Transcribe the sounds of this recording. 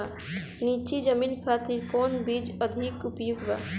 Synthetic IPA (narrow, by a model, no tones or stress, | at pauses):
a | niːt͡ʃid͡ʒəmiːnkʰaːt̪iɾkɔːnbiːd͡ʒəd̪ʱikʊpjuɡba̰ː